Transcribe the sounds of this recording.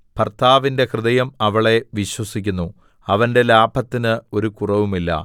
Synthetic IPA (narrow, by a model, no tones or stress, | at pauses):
pɐrt̪ʰaːʋinde̞krɨðɐjɐmɐʋɐɭe̞ʋiɕwɐsikʲːunːu | ɐʋɐnde̞laːbʱɐt̪ːinɨo̞ɾukurɐʋumilːɐ̰